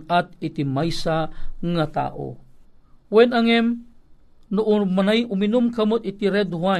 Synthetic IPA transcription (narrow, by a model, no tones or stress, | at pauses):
at̪̚it̪imajsaŋat̪a̰ʔo̰ | wenaŋem | nuʔumanajuminumkamət̪it̪iɾed̪ua